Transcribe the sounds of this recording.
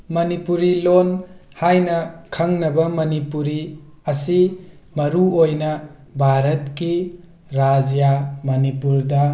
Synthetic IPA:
mɐnipuɾilonhajnɐkʰɐŋnɐbɐmɐnipuɾi | ɐsi | mɐɾuojnɐ | bʱaɾɐtki | ɾad͡ʒjamɐnipuɾdɐ

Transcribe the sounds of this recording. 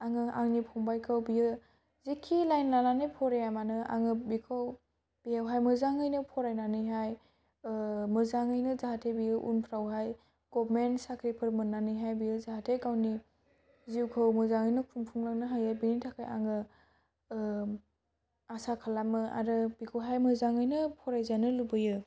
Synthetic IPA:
aŋɯʔa̰ŋnipʰɔŋbajkʰɯwbijɯ | zikʰːilajnlananɯjpʰɔɾejamanɯa̰ŋɯbikʰɯw | b̥ijawɦajmɯzaŋɯjnɯpʰɔɾajnanɯjɦaj | mɯzaŋɯjnɯzaɦatʰebijɯʔṵnpʰɾawɦaj | ɡ̥ɔbmensakʰɾipʰɯɾmɯnːanɯjɦajbiɯzaɦatʰeɡawni | ziwkʰɯwmɯzaŋɯjnɯkʰɾumpʰuŋlaŋnɯɦajajbinitʰakʰa̰jʔa̰ŋɯ | asakʰalamɯa̰ɾɯbikʰɯwɦajmɯzaŋɯjnɯpʰɔɾajzanɯlubɯjɯ

